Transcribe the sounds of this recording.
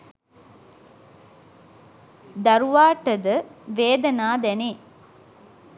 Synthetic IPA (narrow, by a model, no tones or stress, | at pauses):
d̪ɐɾuʋaːʈəd̪əʋeːd̪ɐnaːd̪ɛneː